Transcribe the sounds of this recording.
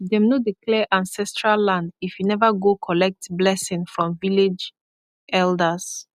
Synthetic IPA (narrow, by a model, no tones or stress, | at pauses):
dɛ̃mnodiklɛʔãnsɛstɹalːãndifjunɛvəɡokʰɔlɛk̚tblɛsɪ̃ŋfɹɔ̃mviled͡ʒ | ʔɛldəs